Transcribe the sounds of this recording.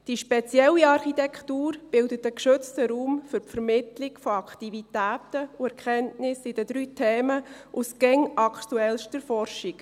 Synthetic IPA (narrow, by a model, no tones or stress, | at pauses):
d̥iʃpɛt͡sjɛlːiɑɾχitɛkχtuːɾb̥ɪldətəkʃɵt͡stəɾuːmfʏɾpfəɾmɪt̪lɪkfɔɑktivitæːtəuɛɾkʰχɛntnɪsɪd̥əd̥̪ɾyːtʰeːməʔusɡ̥ɛŋɑkχtuɛlʃtəɾfɔrʃik